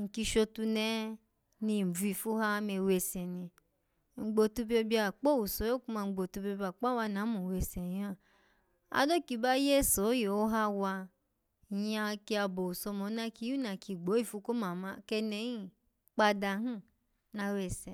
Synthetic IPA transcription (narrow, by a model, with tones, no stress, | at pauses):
ŋ̩˨ki˧ʃo˧tu˧nɛ˦ | ni˧˨m̩˨u˨˦i˨fu˦ɦa˦me˧we˧sɛ˨ni˧ | ŋ͡m̩˨ɡ͡bo˨tu˧bo˧bi˦a˨k͡po˦u˨so˨˦o˦ku˦ma˧˨ɡ͡bo˨tu˧bo˧bi˦a˨k͡pa˦wa˧˨na˨˦mũ˨we˨sɛ˨˦ã˦˨ | a̰˧˦do˦ki˧ba˦je˦˨so˨˦je˨o˦ɦa˦wa˧˨ | ja˧ki˧a˧bo˨u˨sɔ˧mɔ˨˦na˦ki˧˦ju˦na˨ki˨ɡ͡bo˨˦i˦˨fu˧˦ko˦ma˨mã˧˦kɛ˧nɛ˨˦ji˦˨ | k͡pa˧da˧ɦũ˦ | na˨˦we˨sɛ˨